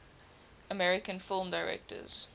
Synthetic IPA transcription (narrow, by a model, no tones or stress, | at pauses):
əmɛɹɪkə̃nfɪlˠmdaɪɹɛ̰k̚tə̰z̥